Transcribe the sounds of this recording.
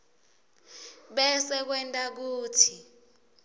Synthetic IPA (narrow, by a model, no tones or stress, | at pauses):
ɓɛsɛk̬wɛntʼak̬uːtʰi